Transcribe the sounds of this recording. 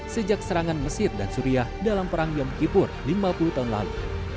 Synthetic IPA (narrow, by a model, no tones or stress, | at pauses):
səd͡ʒak̚səɾaŋanməsɪrdansuɾiahdalampəɾaŋjɔmkipʊrlimapulut̪aɦunla̰lṵ